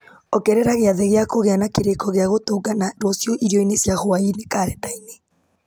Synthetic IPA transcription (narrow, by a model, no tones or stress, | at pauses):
ɔkɛɾɛɾaɣeaðɛɣeakoɣeanakeɾekɔɣeaɣotoɡanadɔsjɔʔiɾiɔinesjaɣoainekaɾɛtaine